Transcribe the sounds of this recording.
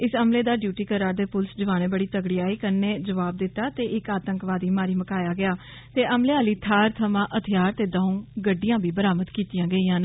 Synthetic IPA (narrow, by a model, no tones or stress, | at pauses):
ɪsəmleːd̪aːɖjuːʈiːkəɾaːɾd̪eːpʊlsd͡ʒəʋaːneːbəɽiːt̪əɡɽiːaːiːkəneːd͡ʒəʋaːb̚d̪ɪt̪ːaːt̪eːʔɪkaːt̪əŋkʋaːd̪iːmaːɾiːməkaːjaːɡɪaː | t̪eːʔəmleːaːliːt̪ʰaːɾt̪ʰəmãːʔət̪ʰɪjaːɾt̪eːd̪ãːũːɡəɖːɪjãːbiːbəɾaːməd̪kiːt̪ijãːɡəiːãːn